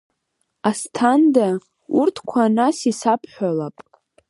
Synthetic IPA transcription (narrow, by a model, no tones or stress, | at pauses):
astʰanda | urtʰkʷʰanasisapʰħʷᶣalapʼ